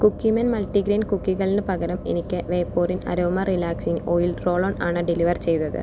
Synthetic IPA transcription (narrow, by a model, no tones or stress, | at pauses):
kukːimɐnmɐlʈiɡɾeːnkukːiɣɐɭinɨpɐɣɐɾɐmḛnikʲːɨʋeːpːoːrinɐ̰ɾoːmɐrilaːksinojilro̞ːɭoːɳaːɳɨɖiliʋɐrt͡ɕe̞jt̪ɐðɨ̰